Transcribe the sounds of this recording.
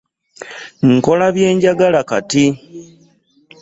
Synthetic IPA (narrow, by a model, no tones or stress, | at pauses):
ŋ̩ko̞laβje̞ːɲɟaɡalakati